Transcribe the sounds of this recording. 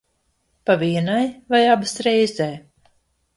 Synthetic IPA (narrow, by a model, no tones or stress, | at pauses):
paviɛnajvajabɨsɾɛjzɛː